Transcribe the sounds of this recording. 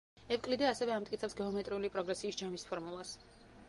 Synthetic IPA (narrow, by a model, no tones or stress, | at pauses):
ɛvkʼlid̪ɛasɛvɛamt̪ʼkʼit̪sʰɛpsɡɛɔmɛt̪ʼɾiulipʼɾɔɡɾɛsiːsd͡ʒamispʰɔɾmulˠas